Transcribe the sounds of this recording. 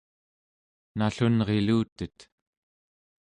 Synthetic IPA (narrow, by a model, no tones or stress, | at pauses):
naɬunʁeluːt̪ət̪